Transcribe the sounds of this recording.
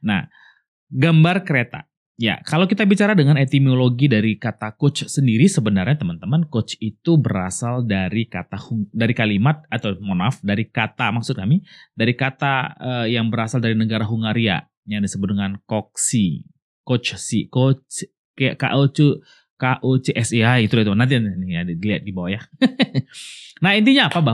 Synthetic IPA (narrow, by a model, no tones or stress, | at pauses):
na̰h | ɡambarkəɾet̪a̰ | ja̰kalawkit̪abit͡ʃaɾadəŋanet̪imoloɡidaɾikat̪akʊt͡ʃsəndiɾisəbənarɲat̪əmant̪əmankot͡ʃit̪ubəɾasaldaɾikat̪ahuŋdaɾikalimat̪̚at̪awmonafdaɾikat̪amaksʊt̪̚kamidaɾikat̪aəjaŋbəɾasaldaɾinəɡaɾaɦuŋaɾia̰ | jaŋdisəbʊt̪̚dəŋankɔk̚si | kot͡ʃsikot͡ʃ | ka̰ʔot͡ʃu | kaʔot͡ʃeʔɛsiaɡit̪ulait̪unant̪ianijadiliat̪̚dibawaja | nahint̪̬iɲaːpaba